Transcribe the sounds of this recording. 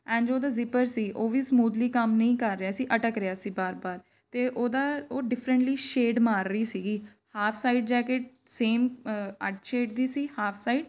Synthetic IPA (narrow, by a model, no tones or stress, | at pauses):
ɛ̃ːɳd͡ʒoːd̪aːzɪpəɾsiːʔoːʋiːsəmuːd̪liːkəmnəĩːkəɾːɪaːsiːʔəʈəkɾɪaːsiːbaːɾbaːɾ | t̪eːʔoːd̪aːoːɖɪpʰɾə̃ɳʈliːʃeːɖmaːɾːəiːsiːɡiː | haːpʰsaːiɖd͡ʒɛːkeʈ | seːməʈʃeːɖd̪iːsiːhaːpʰsaːiːɖ